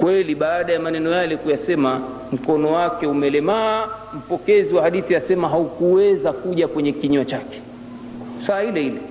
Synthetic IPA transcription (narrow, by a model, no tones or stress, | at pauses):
kwɛliɓaːɗajamanɛnɔjalɛkujasɛma | m̩kɔnɔwakɛumɛlɛmaː | m̩pɔkɛziwahaɗiθiasɛmaɦaukuwɛzakuʄakwɛɲɛkiɲuat͡ʃakɛ̥ | saːhilɛilɛ